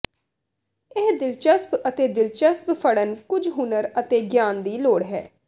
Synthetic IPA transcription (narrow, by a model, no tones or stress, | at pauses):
ɪɦd̪ɪlt͡ʃəspət̪eːd̪ɪlt͡ʃəsppʰəɽənkʊd͡ʒɦʊnəɾət̪eːɡjaːnd̪iːloːɽɦɛ̰ː